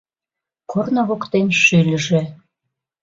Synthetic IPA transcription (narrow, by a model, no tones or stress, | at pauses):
kʰornoβokt̪enʃylʲəʒĕ